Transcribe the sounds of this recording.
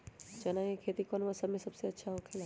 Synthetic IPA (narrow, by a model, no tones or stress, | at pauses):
t͡ʃɐnãekʰeːt̪ikɔːnʋasəbmẽsɐbseɐtːʃʰaɦokʰela